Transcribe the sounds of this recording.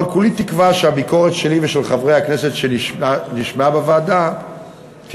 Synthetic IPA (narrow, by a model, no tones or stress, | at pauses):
lkulit̪ikvaʃeabiko̞ʁet̪ʃe̞liveʃelχavʁejhakne̞se̞tʃeniʃniʃmeabevaːd̪a | t̪